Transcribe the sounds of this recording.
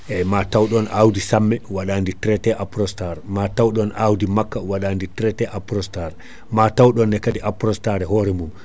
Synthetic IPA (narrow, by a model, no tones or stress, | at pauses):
ʔɛmatawɗɔnawdisamːɛwaɗanditɾɛtɛʔapɾɔstaɾɛmatawɗɔnʔawdimakːawaɗanditɾɛtɛʔapɾɔstaɾ | matawɗɔnːɛkadiʔapɾɔstaɾɛɦɔːɾɛmum